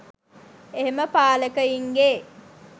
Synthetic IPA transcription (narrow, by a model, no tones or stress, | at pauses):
eɦeməpaːləkəiŋɡeː